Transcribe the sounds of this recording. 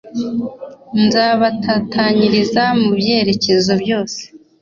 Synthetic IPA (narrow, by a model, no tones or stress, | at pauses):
nzaːβatatʰaɲiɾizamubje̞ːɾe̞ce̞zo̞bjo̞ːse̥